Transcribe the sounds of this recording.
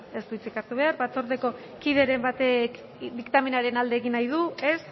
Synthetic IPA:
e̞st̪uit͡sikaɾt̪uβe̞aɾbat͡so̞ɾt̪e̞ko̞ | kiðe̞ɾe̞mbat̪ek | d̪ikt̪aminaɾe̞nald̪eːɣinːajð̞ue̞s

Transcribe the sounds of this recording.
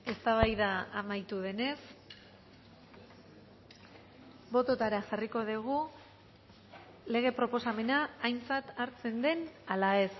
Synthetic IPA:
e̞st̪aβ̞ajðaːmajt̪uð̞e̞ne̞s | bo̞t̪o̞t̪aɾaxariko̞ðiɣ̞u | le̞ɣ̞e̞pɾo̞po̞same̞naːjnt͡sat̪aɾt͡se̞nd̪e̞nalae̞s

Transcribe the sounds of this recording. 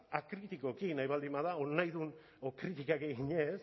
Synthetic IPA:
akɾit̪iko̞kinajβald̪imbaðaonajðun | okɾit̪ikakeɣiɲes

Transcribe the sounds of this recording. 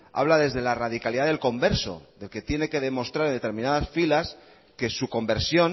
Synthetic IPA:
a̰β̞laðe̞zðe̞laraðikaliðaðelko̞mbe̞ɾso̞̰ðe̞lke̞t̪je̞ne̞ke̞ðe̞mo̞st̪ɾaɾend̪e̞t̪eɾmĩnaðasfilas | ke̞suko̞mbe̞ɾsjo̞n

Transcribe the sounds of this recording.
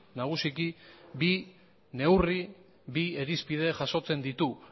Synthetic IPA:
naɣ̞usikibi | ne̞wri | bieɾispið̞e̞ʝaso̞t͡se̞nd̪it̪u

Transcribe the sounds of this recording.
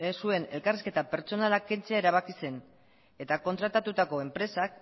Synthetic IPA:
esue̞ne̞lkariske̞t̪ape̞ɾt͡so̞nalake̞nt͡seae̞ɾaβ̞akise̞n | e̞t̪ako̞nt̪ɾat̪at̪ut̪ako̞empɾe̞sak

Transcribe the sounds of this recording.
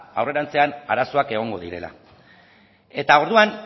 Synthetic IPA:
a̰wre̞ɾant͡se̞ana̰ɾaso̞ake̞ɣ̞o̞ŋɡo̞ðiɾe̞̰la̰ | e̞t̪ao̞ɾðuan

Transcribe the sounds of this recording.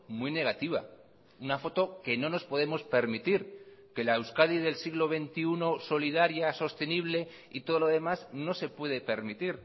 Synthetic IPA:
mwine̞ɣ̞at̪iβ̞a̰ | unafo̞t̪o̞ke̞no̞no̞spo̞ð̞e̞mo̞spe̞ɾmit̪iɾke̞laewskaðiðe̞lsiɣlo̞β̞e̞nt̪iuno̞so̞liðaɾjaso̞st̪e̞niβ̞le̞ | it̪o̞ð̞olo̞ðe̞mazno̞se̞pwe̞ðe̞pe̞ɾmit̪iɾ

